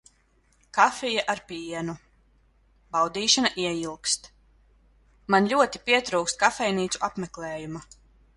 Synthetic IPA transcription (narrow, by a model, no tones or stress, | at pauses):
kafijaʔaɾpiɛnu | bawd̪iːʃanaʔiɛjilˠkst̪ | manlʲuɔt̪ipiɛt̪ɾuːkst̪̚kafɛjniːt̪suʔapmɛklˠɛːjuma